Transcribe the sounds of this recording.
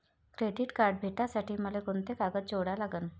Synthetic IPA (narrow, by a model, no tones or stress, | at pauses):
kɾeɖiʈkaɾɖ̚bʱeʈasaʈʰiːməlekont̪ekaɡət̪̚d͡ʑoɽalaɡən